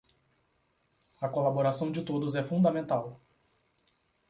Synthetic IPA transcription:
ɐkolaboɾasɐ̃w̃d͡ʒɪt̪od̪ʊzɛfũd̪ɐmẽnt̪aw

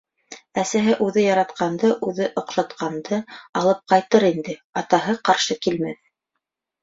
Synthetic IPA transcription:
æsæɦɘʔʉðɘjɑɾɑt̪qɑnd̪ɤʔʉðɘʔŏqʃɑt̪qɑnd̪ɤɑlˠɤp̚qɑjt̪ɤɾind̪ɘɑt̪ɑɦɤqɑɾʃɤkilmæθ

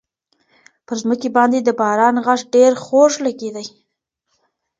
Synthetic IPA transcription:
pəɾzməkebɑnd̪ed̪əbɑɾɑnɣaʂɖeɾxoʂlaked̪aj

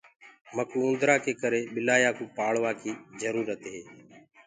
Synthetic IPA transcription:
məkũːʊ̃nd̪ɾaːkʰeːkəɾeːɓɪlaːjaːkũːpaːɭʋaːkʰiːzəɾuːɾət̪ɦeː

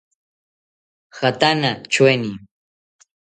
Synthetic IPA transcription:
xat̪anat͡ʃweni

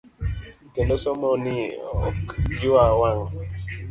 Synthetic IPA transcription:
kendosɔmɔniɔ̰kd͡ʒuawaŋ

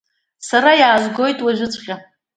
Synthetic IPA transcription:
saɾajaːzʷɡo̞jtʼwaʒʷᶣʏt͡sʷʼχʲa

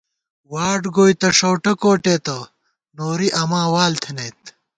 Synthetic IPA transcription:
waːɖɡoːjt̪ɐʂowʈɐkoːʈeːt̪ɐ | noːɾiʔɐmaːwaːlt̪ʰinɐjt̪

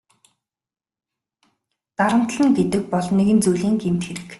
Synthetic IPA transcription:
t̪aɾə̆m̥t̪ɮə̆ŋɡet̪ɘ̆k̚pɔɮnːeɣɘ̆nt͡sujɮiːŋɡemt̪xeɾɘ̆k

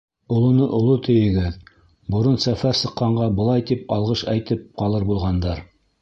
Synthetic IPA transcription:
ŏlˠŏnɤʔŏlˠot̪ɘ̆jɘ̆ɡɘð | bŏɾɤnsæfæɾsɤ̆qːɑɴɢɑbɤ̆lˠɑjt̪ipɑlˠʁɤʃæjt̪ɘp̚qɑlˠɤɾbulˠʁɑnd̪ɑɾ

